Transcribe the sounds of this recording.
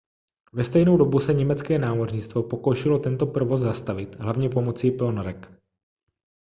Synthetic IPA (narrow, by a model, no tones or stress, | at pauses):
vɛst̪ɛjnowdo̞busɛɲɛmɛt͡skɛːnaːmorɲɪt͡st̪vo̞po̞ko̞wʃɪlo̞t̪ɛnt̪o̞pɾovo̞szast̪avɪt̪ɦlavɲɛpo̞mo̞t͡sipɪonɾɛk